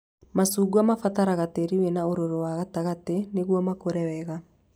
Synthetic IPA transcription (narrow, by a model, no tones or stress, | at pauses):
masuːɡuamafataɾaɣateɾiwenaoɾoɾowaɣataɣateneɣwɔmakoɾɛwɛɣa